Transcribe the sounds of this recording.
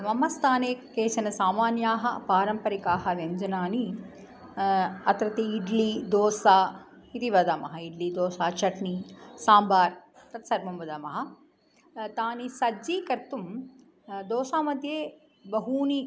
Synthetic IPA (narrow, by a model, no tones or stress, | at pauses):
mɐmɐst̪ʰaːneːkeːʃɐnɐsaːmaːnjaːɦɐpaːɾɐmpɐɾikaːɦɐʋjɐɲd͡ʒɐnaːni | ɐt̪ɾɐt̪iːɖlid̪oːsaː | it̪iʋɐd̪ɐmɐɦɐiɖlid̪oːsaːt͡ʃɐʈnisaːmbaːɾ | t̪ɐt̪sɐɾmɐmʋɐd̪ɐmɐɦɐ̆ | t̪aːnisɐd͡ʒiːkɐɾt̪um | d̪oːsaːmɐd̪ʱjeː | bɐɦuːni